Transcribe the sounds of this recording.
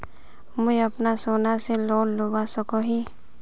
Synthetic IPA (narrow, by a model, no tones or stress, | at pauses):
mʊjəpnasoːnaseloːnlobasəkoɦi